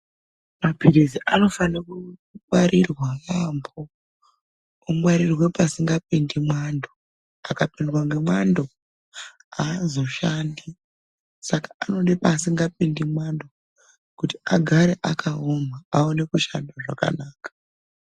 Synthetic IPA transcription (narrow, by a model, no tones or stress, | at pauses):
mapiɾiziʔano̞fanakumwaɾirwakambo | umwaɾirwepasiŋɡap̚indimwando | akapendwaŋɡe̞mwando̞ | azo̞ʃandi | sakḁːno̞nɗepasiŋɡap̚indimwando̞ | kuti̥aɡʱaɾeʔakʰaomaaone̞kuʃandaʐaka̰naːkḁ